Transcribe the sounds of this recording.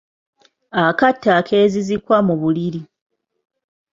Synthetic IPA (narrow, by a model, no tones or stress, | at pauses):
akatːakʰeːzizikwamuβuliɾi